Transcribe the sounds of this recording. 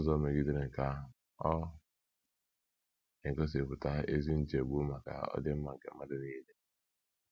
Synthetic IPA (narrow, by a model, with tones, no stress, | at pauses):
zɔ˦me˨ɡi˦de˦ɾe˨ŋ̩˨ka˦ | ɔ˦ | e˨kɔ˦s̬e˨pʊ˨ta˦e˦zi˦n̩˦d͡ʒe˨ɡ͡bu˦ma˨ka̰˨ɔ̰˦dɪ˦m̩˦ma˨ŋ̩˨kḛ˨ma˦dɪ˦ni˦de˦